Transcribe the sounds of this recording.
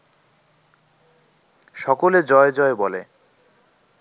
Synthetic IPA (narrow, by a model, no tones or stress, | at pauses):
ʃɔkoled͡ʑɔed͡ʑɔebɔlḛ